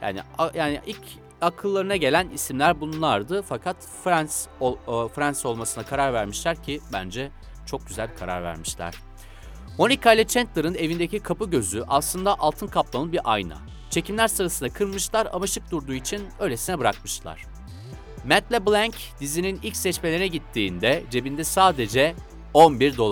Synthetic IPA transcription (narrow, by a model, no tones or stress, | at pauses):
ja̰ːnḭajaːniʔilʲc | akʰɯlˠːaɾɯnaɟelʲænisimlʲæɾbunlˠaɾd̪ɯfakʰat̪ | fɾansofɾanso̞lˠmasɯnakʰaɾaɾvæɾmiʃlʲæɾcʰibænd͡ʒɛ | t͡ʃʰo̞k̚ɟyzælʲbikʰaɾa̰ɾvæ̰ɾmiʃlʲæ̰ɾ̥ | mo̞nikʰalʲɛt͡ʃʰɛnt̪lˠaɾɯne̞vind̪ecikʰapɯɟø̞zyʔaslˠɯnd̪aʔalˠt̪ʰɯnkʰaplˠanɯbiɾʔajna̰ | t͡ʃʰe̞cʰimlʲæɾsɯɾasɯnd̪akʰɯɾmɯʃlˠaɾa̰maʃɯk̚d̪uɾd̪uːit͡ʃʰinø̞jlʲe̞sinɛbɯɾakmɯʃlˠa̰ɾ̥ | mɛt̪lʲɛblʲˠæɲc | d̪̥izininilʲcsɛt͡ʃme̞lʲeinɛɟit̪ʰːiːnd̪ɛd͡ʒe̞bind̪ɛsaːd̪e̞d͡ʒɛ | o̞nbiɾd̪o̞lˠ